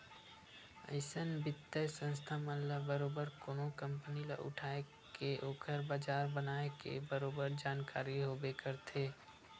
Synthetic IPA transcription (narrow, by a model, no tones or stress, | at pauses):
ə̰ɪsənbɪt̪ːəsə̃nst̪ʰaməɦlabəɾoːbəɾkoːnokə̃mpənila̰ʔʊ̰ʈʰaːe | keʔoːkəɾbaːd͡ʒaːɾbənaːekḛbəɾoːbəɾd͡ʒaːnkaːɾiɦobeːkəɾt̪ʰeː